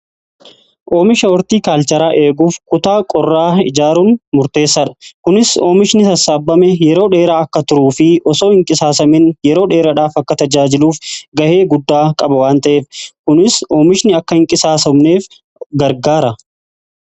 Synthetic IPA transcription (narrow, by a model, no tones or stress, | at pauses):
ʔoːmɪʃɐɔɾt̪iːkaːlt͡ʃɐɾaːʔe̞ːɡuːfkʊt̪aːkʼɔrːaːɪd͡ʒaːɾunmʊɾt̪e̞ːsːɐᶑɐ̥kʊnɪso̞ːmɪʃnɪt̪ɐsːaːbːɐmɛjɛɾo̞ːᶑe̞ːɾaːɐkːɐt̪ʊɾuːfɪʔɔso̞ːhɪŋkʼɪsaːsɐmɪnjɛɾo̞ːᶑe̞ːɾɐᶑaːfɐkːɐt̪ɐd͡ʒaːd͡ʒɪluːfɡɐhe̞ːɡʊd̪ːaːkʼɐbɐwaːnt̪ɐʔe̞ːfkʊnɪso̞ːmɪʃnɪɐkːɐhɪŋkʼɪsaːsɐmneːf | ɡɐɾɡaːɾɐ